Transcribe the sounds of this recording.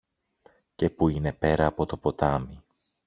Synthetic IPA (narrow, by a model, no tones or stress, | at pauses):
ce̞puine̞pe̞ɾɐːpo̞t̪o̞po̞t̪ɐmi